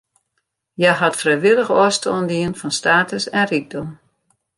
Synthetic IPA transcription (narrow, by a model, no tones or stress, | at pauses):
jaɦatfrɛjʋɪlˠəxɔəstoəndiənfɔnstaːtəsɛnrik̚dom